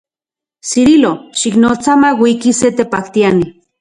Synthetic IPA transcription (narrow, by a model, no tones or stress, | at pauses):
siɾiloʃiknot͡samawʷikiset̪epakt̪iani